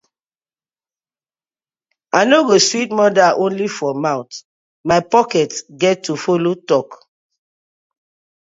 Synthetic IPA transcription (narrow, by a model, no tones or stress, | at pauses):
anoɡoswitmɔdaʔõnlifɔmãʊ̃t | maɪpɔkɛtɡɛtʰːufolotɔk